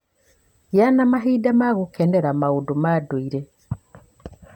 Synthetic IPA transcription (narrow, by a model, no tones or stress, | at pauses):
janamaɦidamaɣukeneɾamaudumaduiɾe